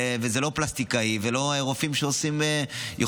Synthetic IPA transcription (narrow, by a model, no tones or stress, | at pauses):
vezelo̞plast̪ikaivelo̞aeʁofimʃeosimejo